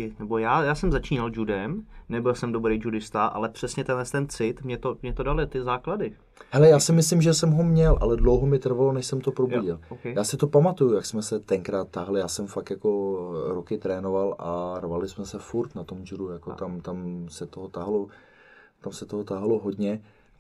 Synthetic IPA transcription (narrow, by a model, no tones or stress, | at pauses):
ɪnɛbo̞jaːjaːsɛmzat͡ʃiːnald͡ʒudɛmnɛbɪlsɛmdobɾejd͡ʒudɪst̪aʔa̰lɛpr̝̥ɛsɲɛt̪ɛnlɛst̪ɛnt͡sɪt̪mɲɛt̪omɲɛt̪odalɪt̪ɪzaːkladɪ | hɛlɛjaːsɪmɪslɪmʒɛsɛmɦomɲɛlʔa̰lɛdlowɦomɪt̪r̩valonɛʃsɛmt̪opɾobuɟɪlowkɛjjaːsɪt̪o̞pamat̪ujujaksmɛsɛt̪ɛŋkɾaːt̪ːaɦlɪjaːsɛmfakjako̞ɾokɪt̪ɾɛːnovalʔarvalɪsmɛsɛfuɾt̪nat̪o̞md͡ʒudujako̰t̪amt̪amsɛt̪oɦot̪aɦlo | t̪amsɛt̪oɦot̪aɦloɦodɲɛ